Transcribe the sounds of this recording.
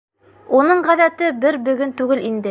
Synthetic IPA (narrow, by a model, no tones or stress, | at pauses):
unɤɴʁæðæt̪ɘbɘɾbɵ̆ɡɵnt̪ʉɡɘlind̪ɘ